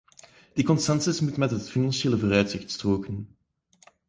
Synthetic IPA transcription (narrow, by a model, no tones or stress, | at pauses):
d̥ikɔnstɑnsɪsmutmɛtɦətfinɑnseːləvoːɾœɥtsɪxtstroːkən